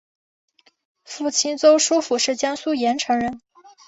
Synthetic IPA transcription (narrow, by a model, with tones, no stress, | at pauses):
fu˥˩t͡ɕʰi˥nt͡so˥ʊʂu˥fu˨˩ʂɻ̩˥˩t͡ɕjɑ˥ŋsu˥jɛ˧˥nʈ͡ʂʰɤ˧˥ŋɻə˧˥n